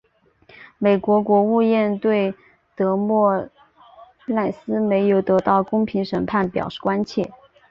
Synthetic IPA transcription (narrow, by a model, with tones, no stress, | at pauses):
me˨˩ɪkwɔ˧˥kwɔ˧˥u˥˧jɛ˥˧nt̪we˥˩ɪ | t̪ɤ˧˥mwɔ˥˩ | la˥˩ɪsɹ̩˥me˧˥ɪjo˨˩ʊt̪ɤ˧˥t̪ɑ˥˩ʊkʊ˥ŋpʰi˧˥ŋʂə˨˩npʰa˥˩npjɑ̰˨˩ʊʂɻ̩˥˩kwa˥nt͡ɕʰjɛ˥˩